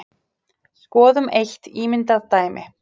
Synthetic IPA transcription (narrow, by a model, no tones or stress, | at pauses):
skɔːðʏmejht̪iːmɪnt̪aðt̪aːjmʔɪ̰